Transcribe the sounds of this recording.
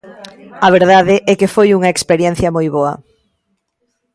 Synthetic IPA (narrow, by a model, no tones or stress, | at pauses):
ɐβ̞eɾðaðɪʔɛkefojuŋɐekspeɾjɛn̟θjɐmojβoɐ̰